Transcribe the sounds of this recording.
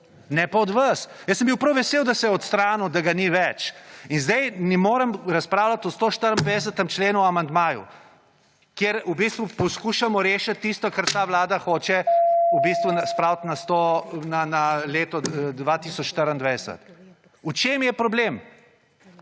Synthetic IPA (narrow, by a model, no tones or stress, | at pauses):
nɛpaɔd̪ʋɐsjəsːəmbiwpɾɐwʋɛseːwd̪asɛɔt̪st̪ɾaːnud̪aɡaniʋɛt͡ʃinzd̪ɛjnimoːɾəmɾɐspɾaːwlat̪ɔst̪oʃt̪əɾənd̪ʋɛd̪s̬ət̪əmt͡ʃleːnuamand̪maːjṵ | kjeɾubist̪ʋupɔskuːʃamɔɾeːʃat̪ːist̪ɔkaɾt̪aːʋlaːd̪axoːt͡ʃɛubist̪ʋunaspɾawt̪nast̪onanaleːt̪ɔd̪ʋat̪isɔt͡ʃʃt̪əɾənd̪ʋɛjsə̰t̪ | ut͡ʃeːmjɛpɾɔblem